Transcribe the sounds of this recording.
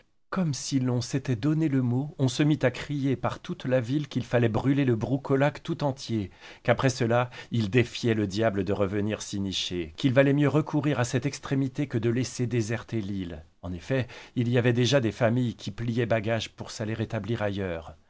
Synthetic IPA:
kɔmsilɔ̃set̪ɛd̪ɔneləmoɔ̃səmit̪akχijepaʁt̪ut̪lavilkʲilfalɛbʁyleləbʁukʰɔlakt̪ut̪ɑ̃t̪je | kapχɛsəlaild̪efjɛləd̪jabləd̪əʁəvəniʁsiniʃekʲilvalɛmjøʁəkʰuʁiʁasɛt̪ɛkst̪χemit̪ekəd̪əlɛsed̪ezɛʁt̪elil | ɑ̃nefɛilijavɛd̪eʒad̪efamijkʲʰiplijɛbaɡaʒpuʁsaleʁet̪abliʁajœːʁ

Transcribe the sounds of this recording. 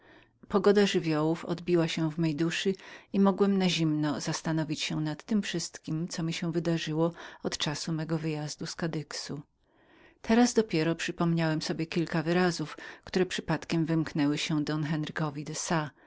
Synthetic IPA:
pɔɡɔd̪aʐɘvʲjɔwufɔ̰d̪bʲiwaɕɛ̃vmɛjd̪uʂɘimɔɡwɛmnaʑimnɔzast̪anɔvʲit͡ɕɕɛnat̪ːɘmfʂɘst̪kʲimt̪sɔmʲiɕɛvɘd̪aʐɘwɔɔt̪t͡ʂasumɛɡɔvɘjazd̪uskad̪ɘksu | t̪ʰɛɾazd̪ɔpʲjɛɾɔpʂɘpɔmɲawɛmsɔbʲjɛkʲilkavɘɾazufkt̪uɾɛpʂɘpat̪kʲɛmvɘmknɛwɘɕɛd̪ɔnxɛnɾɘkɔvʲid̪ɛsa

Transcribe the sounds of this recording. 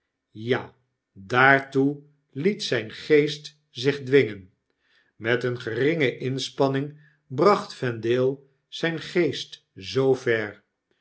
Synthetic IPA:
jaː | daːɹtu | litsɛjnχejst | zɪχdʋɪŋən | mɛtənχərɪŋəʔɪnspɑnɪŋ | brɑχtfɛndɪːlˠ | z̥ɛjnχejst | zowvɛɹ

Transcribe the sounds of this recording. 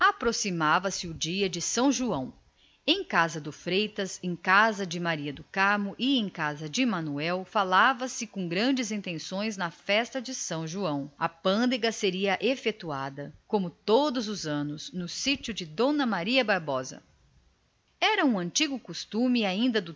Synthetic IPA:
apɾosimavɐsɪʊd͡ʒiɐd͡ʒɪsɐ̃w̃ʒuɐ̃w̃ | ẽj̃kazɐd̪ʊfɾejt̪ɐzẽj̃kazɐd͡ʒɪmaɾiɐd̪ʊkaɾmʊʔɪẽj̃kazɐd͡ʒɪmɐ̃nuɛwfalavɐsɪkõɡɾɐ̃nd͡ʒɪzĩt̪ẽsõj̃znɐfɛst̪ɐd͡ʒɪsɐ̃w̃ʒuɐ̃w̃ɐpɐ̃nd̪eɡɐseɾiɐʔefet̪ua̰d̪ɐkõmʊt̪od̪ʊzʊzɐ̃nʊznʊsit͡ʃʊd͡ʒɪd̪õnɐmaɾiɐbaɾbɔzɐ̰ | ɛɾɐũɐ̃nt͡ʃiɡʊkost̪ũmɪaĩnd̪ɐd̪ʊ

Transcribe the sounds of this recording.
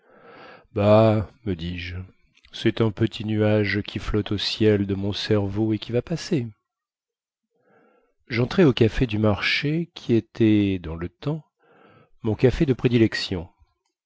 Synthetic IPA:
baməd̪iʒ | sɛt̪ɛ̃pət̪ʰinyaʒkʲʰiflɔt̪osjɛld̪əmɔ̃sɛʁvoekʲivapase | ʒɑ̃t̪χɛokafed̪ymaʁʃekʲʰiet̪ʰɛd̪ɑ̃lət̪ɑ̃ | mɔ̃kafed̪əpχed̪ilɛksjɔ̃

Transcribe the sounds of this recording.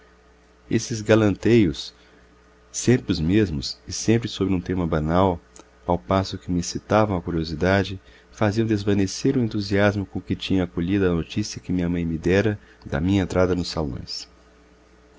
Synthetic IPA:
esɪzɡalɐ̃nt̪ejʊs | ẽmpɾɪʊzmezmʊsɪsẽmpɾɪsobɾɪũt̪ẽmɐbanaw | awpasʊkɪmɪsit̪avɐ̃w̃ɐkuɾiozid̪ad͡ʒɪ | faziɐ̃w̃d̪ezvɐneseɾʊ̃ẽnt̪uziazmʊkõkɪt͡ʃĩɲɐakoʎid̪ʊɐɐnot͡ʃisiɐkɪmĩɲɐmɐ̃j̃mɪd̪ɛɾɐd̪ɐ̰mĩɲɐẽnt̪ɾad̪ɐnʊsalõ̰j̃s

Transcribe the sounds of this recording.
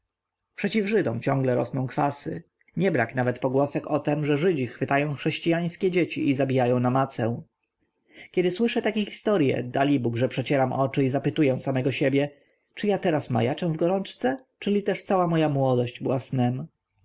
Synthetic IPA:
pʂɛt͡ɕivʐɘd̪ɔmt͡ɕɔ̃ŋɡlɛɾɔ̰snɔ̃w̃kfasɘ̰ | ɲɛbɾaknavɛt̪pɔɡwɔsɛkɔt̪ɛmʐɛʐɘd͡ʑixfɘt̪ajɔ̃w̃xʂɛɕt͡ɕijaj̃skʲɛd͡ʑet͡ɕiʔizabʲijajɔ̃w̃namat̪sɛ̃ | kʲɛd̪ɘswɘʂɛt̪akʲɛxʲi̥st̪ɔɾʲjɛ̰d̪alʲibuɡʐɛpʂɛt͡ɕɛɾamʔɔt͡ʂɘizapɘt̪ujɛw̃samɛɡɔɕebʲjɛ | t͡ʂɘjat̪ɛɾasma̰jat͡ʂɛ̃w̃vɡɔɾɔnt͡ʂt̪sɛt͡ʂɘlʲit̪ɛʂt̪sawamɔjamwɔd̪ɔɕd͡ʑbɘwasnɛm

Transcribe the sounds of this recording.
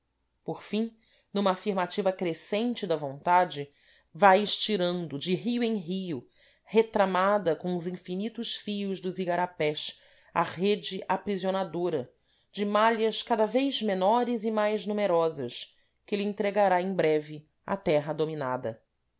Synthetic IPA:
poɾfĩ | nũmɐːfiɾmat͡ʃivɐkɾesẽnt͡ʃɪd̪ɐvõnt̪ad͡ʒɪ | vajɪʃt͡ʃiɾɐ̃nd̪ʊd͡ʒɪɦiʊẽj̃ɦiʊ | het̪ɾamad̪ɐkõʊzĩfinit̪ʊʃfijʊzd̪ʊziɡaɾapɛʃ | ɐ̰ʁed͡ʒɪʔapɾizionad̪oɾɐ | d͡ʒɪmaʎɐʃkad̪ɐvejzmenɔɾɪzɪmajznumeɾɔzɐʃ | kɪlɪẽnt̪ɾeɡaɾaẽj̃bɾɛvɪ | ɐ̰t̪ɛɦɐd̪ominad̪ɐ

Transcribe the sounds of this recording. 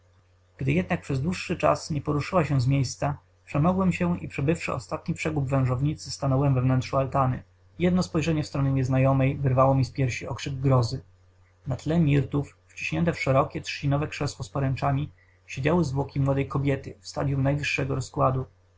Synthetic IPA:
ɡ̥d̪ɘjɛd̪̚nak̚pʂɛzd̪wuʂːɘt͡ʂa̰sɲɛpɔɾuʂɘwaɕɛ̃zmʲjejst̪sa | pʂɛmɔɡwɛmɕɛḭpʂɛbɘfʂɘ̰ɔ̰st̪at̪ɲipʂɛɡubvɛ̃w̃ʐɔvɲit̪sɘst̪anɔwɛmvɛvnɛntʂualt̪anɘ̰ | jɛd̪nɔspɔjʐɛɲɛfst̪ɾɔɲɛɲɛznajɔmɛjvɘɾvawɔmʲispʲjɛɾɕiɔ̰kʂɘɡɡɾɔzɘ | nat̪lɛmʲiɾt̪ufːt͡ɕi̥ɕɲɛnt̪ɛfʂɛɾɔkʲɛtʂt͡ɕinɔvɛkʂɛswɔspɔɾɛnt͡ʂamʲi | ɕed͡ʑawɘzvwɔkʲimwɔd̪ɛjkɔbʲjɛt̪ɘ̰fst̪a̰d̪ʲjumnajvɘʂːɛɡɔɾɔskwad̪u

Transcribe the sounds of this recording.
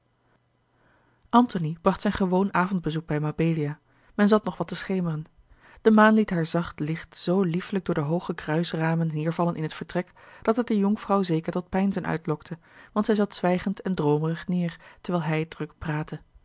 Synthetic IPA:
ʔɑntonib̥rɑχtsɛjnχəʋownaːvɔnd̚bəzuɡ̚bɛjmabejliaː | mɛnzɑtnɔχʋɑtəsχejmərən | d̥əmaːnlitɦaːɹzɑχtlɪχtz̥owlifləɡ̚dʊːɹdəɦowχəkrœɥsraːmənːɪːɹvɑlənʔɪnɦətfəɹtrɛk | d̥ɑtɛt̚dəjɔŋfrɑwzejkəɹtɔt̚pɛjnzənʔœ̰ɥtlɔktʰə | ʋɑntsɛjzɑtsʋɛjχəntɛndrowmərəχnɪːɹtəɹʋɛːlˠɦɛjdrɵkpraːtə

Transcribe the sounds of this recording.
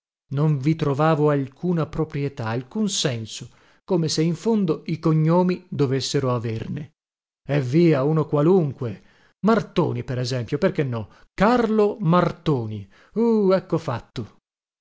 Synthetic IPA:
noɱvit̪ɾovaːvoalkʰuːnapɾopɾjet̪aːlkunsɛnso | koːmeseiɱfond̪oikoɲːoːmid̪ovesːeɾoaverne | ɛvːiːaunokwaluŋkwe | mart̪o̰ːnipeɾɛzɛmpjoperkenːɔ | karlomart̪oːni | uɛkːofat̪ːo

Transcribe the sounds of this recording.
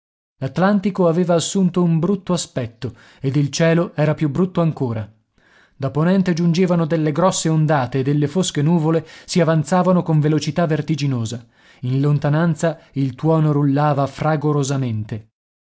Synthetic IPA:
lat̪lant̪ikoaveːvaːsːunt̪oumbɾut̪ːoaspɛt̪ːo | ed̪ilt͡ʃɛːloɛːɾapjubɾut̪ːoaŋkoːɾa | d̪apːonɛnt̪ed͡ʒund͡ʒeːvanod̪elːeɡɾɔsːeond̪aːt̪eːd̪ːelːefoskenuːvolesiavant̪saːvanokoɱvelot͡ʃit̪avːert̪id͡ʒinoːza | inlont̪anant̪sailt̪wɔːnoɾulːaːvafraɡoɾozament̪e

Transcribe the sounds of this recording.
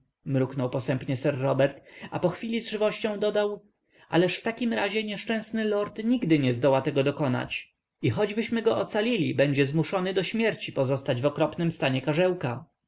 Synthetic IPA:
mɾuknɔwpɔsɛmpɲɛsɛɾːɔbɛɾt̪apɔxfʲilʲizʐɘvɔɕt͡ɕɔ̃w̃d̪ɔd̪aw | ʔa̰lɛʂft̪akʲimɾaʑɛɲɛʂt͡ʂɛ̃w̃snɘlɔɾt̪ɲiɡd̪ɘɲɛzd̪ɔwat̪ɛɡɔd̪ɔkɔna̰t͡ɕ | ixɔd͡ʑbɘɕmɘɡɔɔt̪salʲilʲibɛɲd͡ʑɛzmuʂɔnɘd̪ɔɕmʲjɛɾt͡ɕipɔzɔst̪ad͡ʑvɔkɾɔpnɘmst̪aɲɛkaʐɛwka

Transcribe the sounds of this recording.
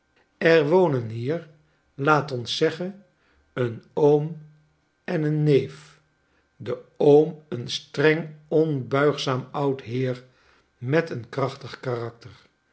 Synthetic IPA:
ɛɹʋownənɦiːɹ | laːtɔnsːɛχən | ənowm | ɛnənːejf | dəowmənstrɛŋɔnbœɥχsaːmʌwtɦɪːɹ | mɛtənkrɑχtəχkaːrɑk̚təɹ

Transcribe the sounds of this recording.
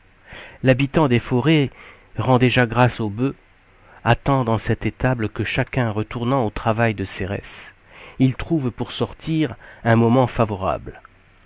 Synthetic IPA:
labit̪ɑ̃d̪efɔʁe | ʁɑ̃d̪eʒaɡʁasobø | at̪ɑ̃d̪ɑ̃sɛt̪et̪ablkəʃakʲɛ̃ʁət̪uʁnɑ̃ot̪χavajd̪əseʁɛ̰s | ilt̪χuvpuʁsɔʁt̪ʰiʁɛ̃mɔmɑ̃favɔʁa̰bl

